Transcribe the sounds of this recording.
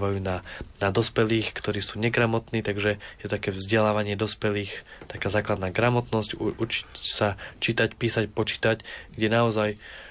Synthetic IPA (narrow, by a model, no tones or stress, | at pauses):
ʋajuːnanad̪ɔspɛliːxkt̪ɔɾiːsuːɲɛɡɾamɔt̪niːt̪aɡʒɛjɛt̪ɔt̪akɛːvzɟɛlaːʋaɲɪɛd̪ɔspɛliːxt̪akaːzaːklad̪naːɡɾamɔt̪nɔscut͡ʃi̥csat͡ʃiːt̪acpiːsacpɔt͡ʃi̥ːt̪acɡɟɛnaɔzaj